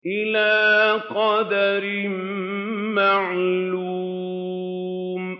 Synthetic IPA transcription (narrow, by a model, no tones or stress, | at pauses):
ʔɪlaːqɑd̪aɾɪm | maʕlu | m